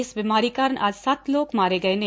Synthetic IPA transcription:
ɪsʋimaːɾiːkaːɾəɳʔa̰ːd͡ʒsat̪ʰloːkmaːɾeɡɐenẽ

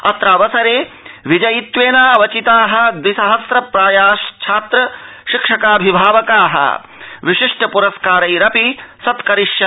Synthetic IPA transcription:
ɐt̪ɾaːʋɐsɐɾeː | ʋid͡ʒɐjit̪ʋeːnaːʋɐt͡ʃit̪aːɦɐ̆d̪isɐɦɐsɾɐpɾaːjaːʃt͡ʃʰaːt̪ɾɐ | ʃikʂɐkaːbʱibʱaːʋɐkaːɦɐ̰ | ʋiʃiʂʈʰɐpuɾɐskaːɾɐjɾɐpisɐt̪kɐɾiʂjɐ

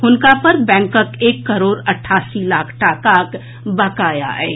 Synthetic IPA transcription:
ɦʊnkapɐɾbɛ̃ːŋkəkeːkːɐɾoːɾɐʈʰːaːsilaːkʰʈaːkaːk | bɐkaːja̰ɦɛ̰ː

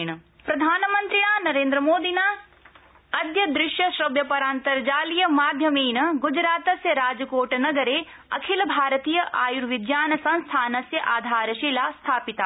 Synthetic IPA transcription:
ɳɐ | pɾɐd̪ʱaːnɐmɐnt̪ɾiɳaːnɐɾeːnd̪ɾɐmoːd̪inaː | ɐd̪jɐd̪ɾɪʃjɐʃɾɐʋjɐpɐɾaːnt̪ɐɾd͡ʒaːlijɐmaːd̪ʱjɐmiːɳɐɡud͡ʒɾaːt̪ɐsjɐɾaːd͡ʒɐkoːʈɐnɐɡɐɾeː | ɐ̰kʰilɐbʱaːɾɐt̪iːjɐʔaːjuɾʋid̪jaːnɐsɐ̃nst̪ʰaːnɐsjɐʔaːd̪ʱaːɾɐʃilaːst̪ʰaːpit̪a

